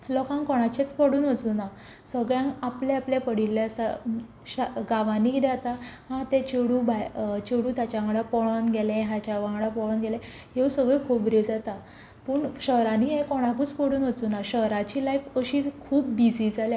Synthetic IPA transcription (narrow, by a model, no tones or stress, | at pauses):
lɔkãŋkɔɽ̃at͡ɕet͡spəɽuːnʋət͡suːna | səɡɭjãŋapleaplapəɽilːesa | ɕaɡaʋãniːkd̪at̪aɦãt̪ẽt͡ɕeɽuːbʱajt͡ɕeɽuːt̪jat͡ɕaaŋɡɽapɔɭənɡelẽɦat͡ɕaʋãŋɡɽapɔɭɔnɡɛlɛ̃ɦesəɡɭekʰuːpɾed͡zat̪a | pəːɳɕəɦɾãniːɦẽkɔɽ̃akuːt͡spəɽuːnʋət͡suːnaɕəɦɾat͡ɕiːlajfəɕiːkʰuːp̚bid͡zid͡zaljã